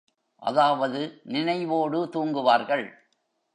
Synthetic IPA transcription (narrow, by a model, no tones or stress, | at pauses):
ʔɐ̰ðaːʋɐðɯnɪnɐɪʋoːɽɯt̪uːŋɡɯʋaːɾɣɐɭ